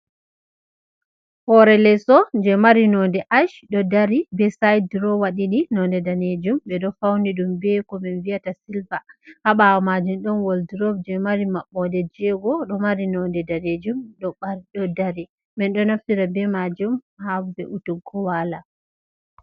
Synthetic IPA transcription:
hɔɾɛlɛsɔd͡ʒɛmaɾinɔndɛʔaʃɗɔdaɾibɛsajdɾɔwaɗiɗinɔndɛdaned͡ʒumbɛɗɔfawniɗumbɛkɔmɛnviatasilvahaɓawɔmad͡ʒumɗɔnwɔldɾɔbd͡ʒɛmaɾimaɓːɔdɛd͡ʒɛɡɔɗɔmaɾinɔndɛdaned͡ʒumɗɔɓaɾɗɔdaɾi | mɛnɗɔnaftiɾabɛmad͡ʒumhabɛ̰ʔutuɡɔwala

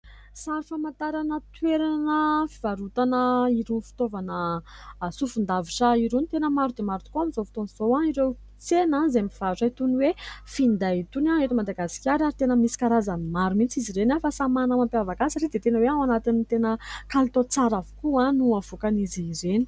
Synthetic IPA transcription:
saɾifamãnt̪aɾanət̪weɾanəfivaɾut̪anəiɾunfi̥t̪ovanə | sufund̪aviʈ͡ʂaiɾenit̪enəmaɾud̪emaɾut̪ukuamizofi̥t̪oniz̥oãiɾew | t͡senanzemiv̥aʈ͡ʂait̪uniwefind̪ait̪unaet̪umad̪aɡasi̥kʲaɾaɾit̪enəmisi̥kaɾazanimaɾumint͡siziɾenafasamanəmampeavakasaɾed̪et̪enəweawanat̪int̪enəkalit̪ot͡saɾavu̥kuãnuavokaniziɾeni̥

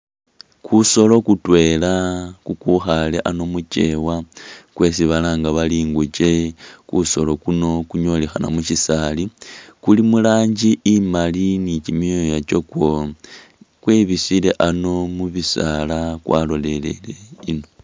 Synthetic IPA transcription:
kʰuso̞lo̞kutwe̞lakukuxaleʔano̞mut͡ʃe̞wakwe̞siβalaːŋɡaβaliːŋɡut͡ʃe̞kuso̞̰lo̞kuno̞kuɲo̞lexana̰muʃisalikulimulaːɲd͡ʒiʔːmalinit͡ʃimiojat͡ʃo̞kwo | kweβisile̞ʔano̞muβisalakwalo̞lele̞̰leino̞

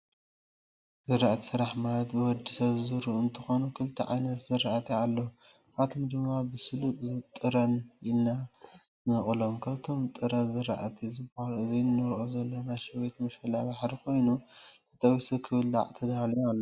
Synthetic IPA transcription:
zɨɾaʔat̪ʰi̥sɨɾaħmalɐt̪bɨwɔd̪isɐβzɨɾuɨnt̪ʰɨxo̞nukʰɨlt̪ʰiʕa̰jnɐt̪zɨɾaʔat̪ʰialːo | aβt̪ʰomd̪ɨmabɨsɨlutʼzɨt̪ʼɨɾɐnilna | nɨχʼlo̞mkʰaβt̪ʰo̞mt̪ʼɨɾɐzɨɾa̰ʔat̪ʰizɨbɐhalɨziɨnːɐɾʔozɐlːonaʃɐβet̪mɐʃɐlabaħɾikʰo̞jnuzɨt̪ʰɐwisukʰɨβɨld̪a̰ʕt̪ʰɐd̪almalːo

